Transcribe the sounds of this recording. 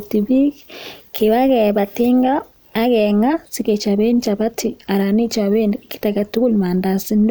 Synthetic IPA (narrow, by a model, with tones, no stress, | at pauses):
ti˨βi˦ke˨βa˦ɣɛ˨βa˨ti˦ŋɡaː˦ | ɣɛ˨ŋa˦si˦ke˨t͡ʃa˨βe˦n˦t͡ʃa˨βa˦tʰi˨a˨ɾa˨ni˦t͡ʃa˨βe˦nki̥˦ta˨ka˨tu˦ku˦lma˨nda˨si˦nd